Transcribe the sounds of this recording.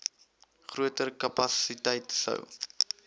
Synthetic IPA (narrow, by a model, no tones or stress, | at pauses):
χruətərkɐpɐsitɛjtsə̰w